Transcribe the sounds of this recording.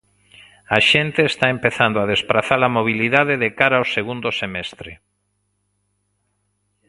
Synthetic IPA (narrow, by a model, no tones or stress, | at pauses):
aʃent̪eːst̪aempeθand̪oað̞espɾaθalamoβ̞iliðaðeðekaɾaowseɣund̪osemɛst̪ɾḛ